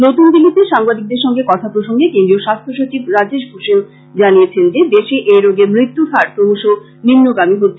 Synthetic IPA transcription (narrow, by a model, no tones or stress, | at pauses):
not̪und̪ilːit̪eʃaŋbad̪ik̚d̪eɾʃɔŋɡekɔt̪ʰapɾoʃoŋɡekend̪ɾioʃast̪ʰoʃot͡ɕibɾad͡ʑeʃbʰʱoʃen | d͡ʑanijet͡ɕʰend͡ʑed̪eʃeʔeɾoɡemɾit̪ːufaɾpɾomoʃo | nimnoɡamiɦot̪ːʰe